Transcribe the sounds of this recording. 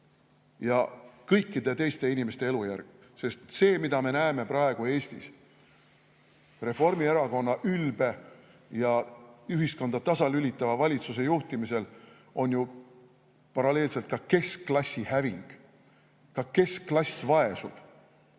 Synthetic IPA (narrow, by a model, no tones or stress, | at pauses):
jɑkɤjkːˑid̪̥e̞t̪ejst̪e̞inime̞st̪e̞e̞lujærɡ̥ | se̞st̪se̞ːmid̪̥ɑme̞næeme̞pɾɑe̞ɡ̥ue̞ːst̪ḭs | re̞fo̞rmie̞ɾɑko̞nːɑʔylb̥e̞ | jɑyɦisko̞nd̪̥ɑt̪ɑsɑlylit̪ːˑɑvɑvɑlʲit̪suse̞juht̪imise̞l | o̞nju | pɑɾɑle̞ːlse̞lt̪̚kɑke̞slɑsʲːihæviŋɡ̥ | kɑke̞sklɑsʲvɑe̞sṵb̥